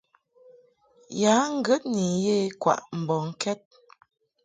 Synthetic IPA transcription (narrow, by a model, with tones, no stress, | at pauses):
ja˨˦ŋ̩˦ɡə˦t̚ni˨je˦kwa̰˨ʔm̩˨bɔ˨ŋ̩˦kʰɛ˦t̚